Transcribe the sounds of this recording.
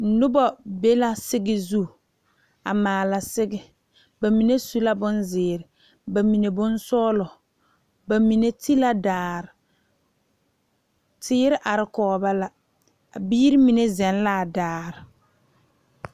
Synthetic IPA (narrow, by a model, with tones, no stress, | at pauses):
nʊ˦bɔ˨be˦la˦sɪ˦ɡɪ˦zu˦ | a̰˨maː˨la˨sɪ˦ɡɪ˦ | ba˨mi˨ne˦su˦la˦bʊ˦nzɪː˨ɾɪ˨ | ba˨mi˨ne˨bʊ˦nsɔː˦lɔ˨ | ba˨mi˨ne˦ti˦la˦daː˨ɾɪ˨ | tʰɪː˦ɾɪ˦ʔa˨ɾɪ˨kɔː˨˦ba˦la˦ | a˨biː˦ɾɪ˦mi˨ne˦zɛ˨n˦la˦˨daː˨ɾɪ˨